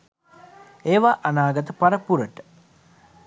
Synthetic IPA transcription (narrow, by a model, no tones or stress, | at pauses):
eːʋaʔanaːɡɐt̪əpaɾəpuɾəʈə̥